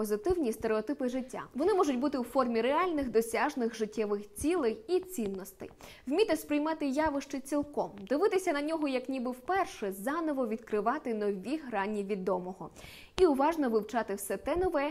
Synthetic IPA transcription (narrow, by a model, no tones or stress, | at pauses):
pɔzɪt̪ɪwnʲist̪eɾeɔt̪ɪpɪʐɪtʲːa̰ʋɔnɪmɔʒʊtʲbut̪ɪwfɔrmʲiɾeɑlʲnɪxd̪ɔsʲaʒnɪxʐɪtʲːɛʋɪxt͡sʲilˠɪjit͡sʲinːɔst̪ɛ̰j | wmʲit̪ɛspɾɪjmɑt̪ɪjɑʋɪʃt͡ʃɪt͡sʲilˠkɔmd̪ɪʋɪt̪ɪsʲɐnɐnʲɔɦɔjɐknʲibɪwpɛrʃɛzɑnɔʋɔʋʲid̪kɾɪʋɑt̪ɪnɔʋʲiɦɾɑnʲːiʋʲid̪ɔmɔɦɔ | iʊʋɑʒnɔʋɪwt͡ʃɑt̪ɪwsɛt̪ɛnɔʋɛ